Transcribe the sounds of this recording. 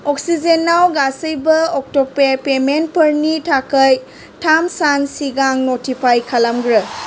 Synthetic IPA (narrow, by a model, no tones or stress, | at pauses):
ɔk̚sid͡ʒenːawɡasəjbɐɔk̚tɔpepement̚pəɾnitʰakəj | tʰamsansiɡaŋnotʰipʰajkʰalamɡɾɯ